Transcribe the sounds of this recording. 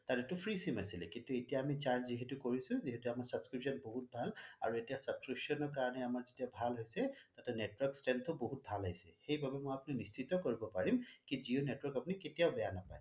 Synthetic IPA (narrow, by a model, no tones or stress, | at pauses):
taɹetupʰɹisimasilɛkintuetijaːmit͡ʃaɹd͡ʒziɦɛtukoɹisʊ̃ziɦɛtuamaɹsab̥skɹipsɔnboɦut̚bʱala̰ɹuetijasəb̥skɹipsɔnɔɹk̬aɹɔnɛamaɹzetijabʱalɦojsɛtatɛnɛtwɔɹkstɛntʰʊboɦut̚bʱalajsɛ̰xejbabɛmojapʊninist͡ʃitɔkoɹibɔpaɹimkizionetwɔɹkapʊniketijaʊbɛjanapaj